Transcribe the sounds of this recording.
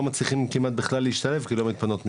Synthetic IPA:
mat͡sliχimkimat̪̚biχlalːeiʃt̪ale̞fkilo̞mit̪pano̞t̪mi

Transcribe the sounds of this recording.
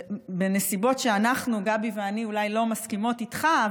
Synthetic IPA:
bene̞sibo̞tʃeanaχnuɡabiveaniulajlo̞maskimo̞titχa

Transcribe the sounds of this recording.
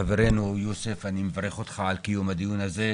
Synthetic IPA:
aveɾenujosefanimevaɾeχot̪χaːlkijomad̪ijunaze

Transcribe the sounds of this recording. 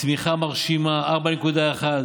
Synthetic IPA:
smiχamaʁʃimaʔaʁbanekud̪aeχad̪

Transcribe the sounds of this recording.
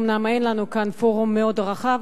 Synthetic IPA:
mnamenlanukanfo̞ʁumːeo̞dʁaχav

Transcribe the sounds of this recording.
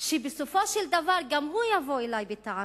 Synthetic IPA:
ʃebesofoʃeld̪avaɾɡamhujavoelajbet̪aʕ

